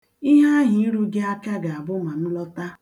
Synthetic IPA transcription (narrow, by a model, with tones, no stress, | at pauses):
i˦ɦa˦ɦi˦i˦ɾu˦ɡɪ˦a˦ka˦ɡa˨a˨bʊ˦ma˨n̩˦lɔ˦ta˦